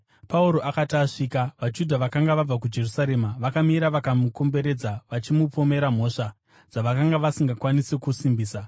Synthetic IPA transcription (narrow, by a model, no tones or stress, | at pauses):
pauɾo̞ʔakataʂiːkaʋad͡ʒudʱaʋakaŋɡaʋab͡vakud͡ʒe̞rusaɾe̞maʋakamiɾaʋakamuko̞mbe̞ɾe̞d͡zaʋat͡ʃimupo̞me̞ɾam̤o̞ʂa | d͡zaʋakaŋɡaʋasiŋɡakwanisekusimbiːsa